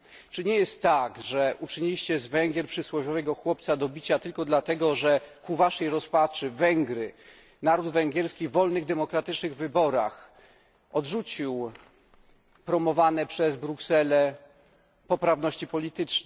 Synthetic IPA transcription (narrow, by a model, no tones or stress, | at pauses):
t͡ʂɘɲɛjɛst̪ːaɡʐɛʔut͡ʂɘɲilʲiɕt͡ɕɛzvɛŋɡʲɛɾpʂɘswɔvʲɔvɛɡɔxwɔp̚t̪sad̪ɔbʲit͡ɕat̪ɘlkɔd̪lat̪ɛɡɔʐɛkuvaʂɛjɾɔspat͡ʂɘvɛŋɡɾɘ | naɾud̪vɛŋɡʲjɛɾskʲivɔlnɘɣd̪ɛmɔkɾat̪ɘt͡ʂnɘɣvɘbɔɾax | ɔdʐut͡ɕiw | pɾɔmɔvanɛpʂɛzbɾuksɛlɛ | pɔpɾavnɔɕt͡ɕipɔlʲit̪ɘt͡ʂ